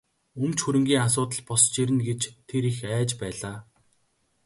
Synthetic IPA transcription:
ɵmt͡ɕxuɾɘ̆ŋɡʲiːŋasʊːt̪ə̆ɮpɔst͡ɕiɾɘ̆nɡet͡ɕt̪ʰeɾixæːt͡ɕpæːɮaː

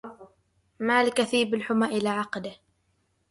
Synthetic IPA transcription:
maːlɪkaθiːbɪlħʊmaːʔɪlaːʕɑqd̪ɪh

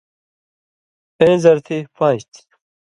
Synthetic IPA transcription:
ẽːzɐɾt̪ʰipãːɕt̪ʰ

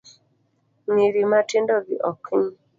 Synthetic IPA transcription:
miɾimatindɔɡiʔɔkʰiɲ

